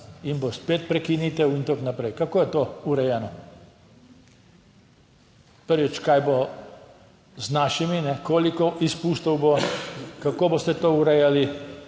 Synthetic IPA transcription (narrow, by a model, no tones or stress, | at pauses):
inbospeːt̪̚pɾɛkiniːt̪ɛwint̪oknapɾɛjkakoːjɛt̪ouɾɛjɛːnɔ | pəɾʋit͡ʃkajbo | znaːʃiminɛkoːlikɔʔispuːst̪ɔwbokakoːbost̪ɛt̪oːuɾɛjali